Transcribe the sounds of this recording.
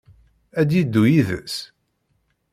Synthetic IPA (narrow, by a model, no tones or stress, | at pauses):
æd̪jid̪ːujiðə̰s